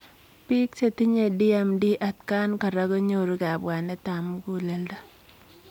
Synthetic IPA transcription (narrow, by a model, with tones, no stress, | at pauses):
pi˦kse˨ti˦ɲe˨di˦ɛ˨mdi˦ʔa˨tka˦nka˨ɾa˦ko˦ɲo˦ɾu˦ka˨bwa˨nɛ˦ta˨mku˦˨le˨lda˦